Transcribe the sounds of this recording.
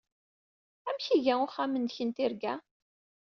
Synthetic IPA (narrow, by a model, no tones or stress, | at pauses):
æmçiʝæʊχːæmənd̪çənt̪ɪɾɡæ